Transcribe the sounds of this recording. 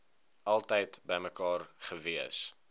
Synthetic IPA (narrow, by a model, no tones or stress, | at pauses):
ʔɐlˠtəjtbəjməkɑːrχəviəs